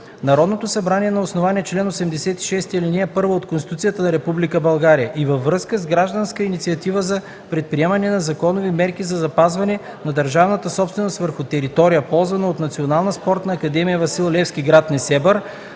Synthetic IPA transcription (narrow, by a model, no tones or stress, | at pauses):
nɐɾɔd̪not̪osɐbɾaniɛnɐosnovaniɛt͡ʃlɛnosɛmd̪ɛsɛt̪i̥ʃɛst̪iiliniɛpɤɾvəot̪kõnst̪i̥t̪ut̪sijət̪ənɐɾɛpublikəbɐlˠɡaɾijəʔivəvːɾɤskəzɡɾaʒd̪ɐnskəinit̪siɐt̪ivəzɐ | pɾɛt̪̚pɾiɛmɐnɛnɐzɐkɔnovimɛɾkizɐzɐpazvɐnɛ | nɐd̪əɾʒavnɐt̪əsɔpst̪vɛnost̪vəɾxʊt̪ɛɾit̪ɔɾijəpɔlˠzvɐnɐot̪nɐt̪sionalˠnəspɔɾt̪nɐːkɐd̪ɛmijəvɐsilˠlɛfskiɡɾat̪nɛsɛbəɾ